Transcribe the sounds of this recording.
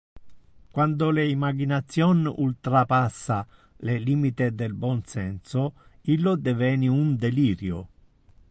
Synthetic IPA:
kwand̪ʊleimaɡinat̪sːjɔnult̪ɾapasːa | leliːmit̪ɪd̪elbɔnsɛnsʊilːod̪evɛːniund̪eliːɾjo̰

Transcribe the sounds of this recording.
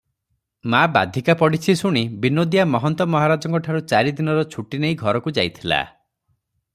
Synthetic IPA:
maba̰d̪ʱikapɔɽit͡ʃʰisuɽ̃ibinod̪ijamɔɦɔnt̪ɔmɔɦaɾad͡ʒɔŋkɔʈʰaɾut͡ʃaɾid̪inɔɾɔt͡ʃʰuʈineiɡʱɔɾɔkud͡ʒajt̪ʰila̰

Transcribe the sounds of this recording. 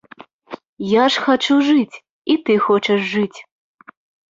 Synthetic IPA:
jaʂxat͡ʂuʐɨt͡sʲ | it̪ɨxɔt͡ʂɐʐːɨt͡sʲ

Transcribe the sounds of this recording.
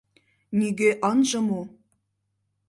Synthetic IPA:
niɡeʔɑnʒɤ̆mu

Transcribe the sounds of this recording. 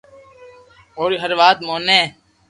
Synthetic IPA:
oːɾiɦəɾʋaːt̪moːnẽː

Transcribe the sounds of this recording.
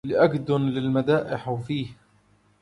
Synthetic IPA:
lɪʔaɡd̪ʊnlɪlmad̪aːʔɪħwfiːh

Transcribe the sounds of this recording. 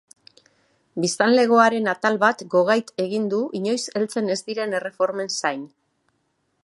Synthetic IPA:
bist̪anle̞ɣ̞o̞aɾe̞nat̪alβat̪ɡo̞ɣ̞ajt̪e̞ɣind̪uʔiɲo̞jse̞lt͡se̞ne̞zd̪iɾe̞nere̞fo̞ɾme̞nsajn

